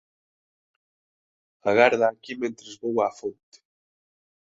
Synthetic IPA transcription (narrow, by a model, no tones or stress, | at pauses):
aɣaɾðaːkimẽnt̪ɾezβowafont̪e̥